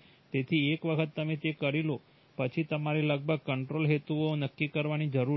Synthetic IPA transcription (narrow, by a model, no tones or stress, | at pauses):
t̪et̪ʰiekʋəkʰət̪ːəmet̪ekəɾilo | pət͡ʃʰit̪əmaɾeləɡ̚bʱəɡ̚kəɳʈɾolɦet̪uonəkːikəɾʋanid͡ʒəɾu